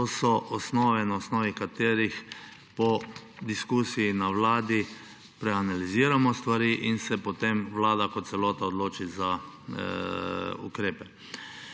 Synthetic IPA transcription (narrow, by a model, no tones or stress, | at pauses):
t̪oːsɔʔɔsnɔːʋɛnaɔsnɔːʋikat̪eːɾix | pɔd̪iskusijinaʋlaːd̪i | pɾɛanaliziːɾamɔst̪ʋaɾiːʔinsɛpɔt̪emʋlaːd̪akɔt̪t̪sɛlɔːt̪aɔd̪loːt͡ʃiza | ṵkɾeːpɛ